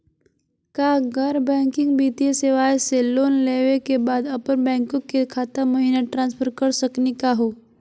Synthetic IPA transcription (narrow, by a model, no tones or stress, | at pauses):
kaːɡəɾbɛ̃ːŋkɪ̃ŋɡbiːt̪ijeseʋaːjeseloːnleːʋekebaːd̪ɐpəɾbɛ̃ːŋkõkekʰaːt̪amɐɦiːnaʈɾãːnspʰəɾkəɾsəknekaɦoː